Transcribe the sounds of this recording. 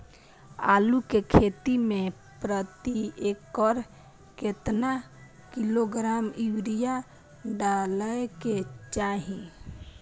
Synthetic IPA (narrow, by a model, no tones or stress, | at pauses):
a̰ːlukekʰet̪imẽ | pɾət̪iekəɾ | ket̪na | kiloɡɾamiwɾija | ɖaləeket͡ʃaɦĩ